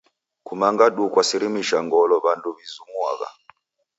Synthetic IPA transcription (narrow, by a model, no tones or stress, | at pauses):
kumaŋɡaɗukwasiɾimiʃaŋɡɔlɔβanduβizumwaɣa̰